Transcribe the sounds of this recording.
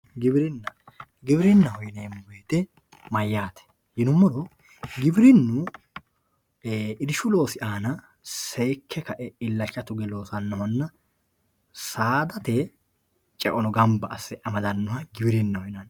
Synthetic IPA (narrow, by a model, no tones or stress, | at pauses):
ɡɪbɪɾɪnːɐ | ɡɪbɪɾɪnːɐhɔjneːmʊbeːt̪ɛ | mɐjːaːt̪ɛ̥ | hɪnʊmːɔɾɔ | ɡɪbɪɾɪnːu | ɪd̪ɪʃʊlo̞ːsɪʔaːnɐ | sɛjkʰːɛkɐʔɛɪlːɐt͡ʃːɐt̪ʊɡɛlo̞ːsɐnːɔhɔnːɐ | saːd̪ɐt̪ɛ | t͡ʃʼɛʔʼɔnɔɡɐmbɐʔɐsːɛʔɐmɐd̪ɐnːɔhɐɡɪbɪɾɪnːɐhɔjɪnɐn